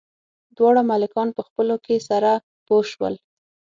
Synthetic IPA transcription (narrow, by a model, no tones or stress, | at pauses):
d̪wɑɽamalɪkɑnpəxpəlokesaɾa | poʃwə̰l